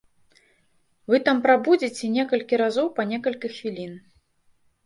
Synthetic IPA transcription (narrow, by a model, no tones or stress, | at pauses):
vɨt̪ampɾabud͡zʲit͡sʲɛnʲɛkɐlʲkʲiɾazɔwpɐnʲɛkɐlʲkʲixvʲilʲin